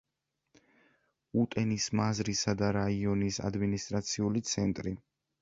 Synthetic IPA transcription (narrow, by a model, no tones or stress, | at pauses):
ut̪ʼɛnismazɾisad̪aɾaiɔnisa̰d̪minist̪ʼɾat̪sʰiulit̪sʰɛnt̪ʼɾi